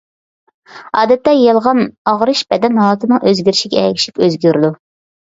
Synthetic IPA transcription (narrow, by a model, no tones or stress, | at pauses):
ɑːd̪ɛt̪ːɛjɑlˠʁɑnɑʁɾɨʃb̥ɛd̪ɛnɦɑlˠɨt̪ʰɨnɨŋʔøzɡʲyɾɪʃiɡʲɛ̰ɛkʲi̥ʃi̥pøzɡʲyɾɪd̪u